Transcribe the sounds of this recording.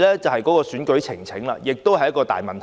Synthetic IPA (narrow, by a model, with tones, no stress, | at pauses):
lɛː˥t͡sɐ˨˩whɐ˨jkɔː˨˥kɔː˧syː˨˥nkɵ˨˥ɥt͡sʰɪ˨˩ŋt͡sʰɪ˨˥ŋla̰ː˧jɪ˨k̚t̪o˥whɐ˨jːɐ˥tkɔː˧t̪a̰ː˨jmɐ˨nt̪ʰ